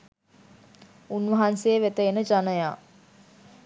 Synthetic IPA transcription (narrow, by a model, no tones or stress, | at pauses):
unʋɐɦanseːʋet̪əenəd͡ʒanəjaː